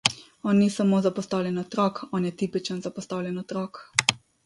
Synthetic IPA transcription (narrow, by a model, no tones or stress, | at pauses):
ɔːnːisamoːzapɔst̪awlʲjɛnɔt̪ɾɔːkɔːnjɛt̪iːpit͡ʃənzapɔst̪awlʲjɛnɔt̪ɾɔk